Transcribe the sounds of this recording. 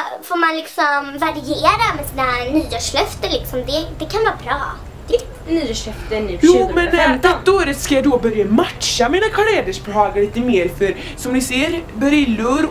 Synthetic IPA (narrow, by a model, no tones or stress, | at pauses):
foːɾmanlɪksɔmvaɾɪeːɾamɛsiːnanyːaʂlœft̪əɾlɪksɔmd̪ɛd̪ɛkʰanvɑːɾbɾɑː | d̪̥ | nyːaʂlœft̪ənyːjuːmɛnːɛmt̪ɪt̪̚d̪ɔæɾɛt̪skajad̪obœɾjamat̪ʃamiːnakʰalɛːd̪əʂbɛhɑːɡaɭiːt̪əmeːɾfœɾ | sɔmnɪseːɾbœɾɪlːɵɾ